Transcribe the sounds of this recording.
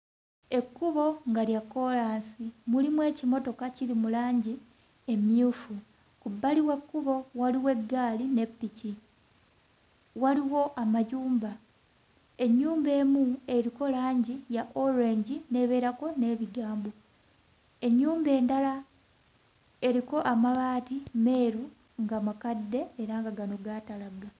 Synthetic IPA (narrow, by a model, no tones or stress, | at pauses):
e̞kːuβo̞ŋɡaljakːo̞ɾaːnsimulimwe̞ːcimo̞to̞kaciɾimulaːɲɟi | e̞mjuːfu | kubːaliwekːuβo̞waliwe̞ɡaːline̞pːici | waliwo̞ʔamajuːmba | e̞ɲːuːmbe̞ːmue̞ɾiko̞laːɲɟijaʔo̞ɾe̞ɲɟine̞βe̞ːɾako̞ne̞ːβiɡaːmbo̞ | e̞ɲːuːmbe̞ːndala | e̞ɾiko̞ʔamaβaːtime̞ːɾu | ŋɡamakadːe̞ːɾaŋɡaɡano̞ɡatalaɡa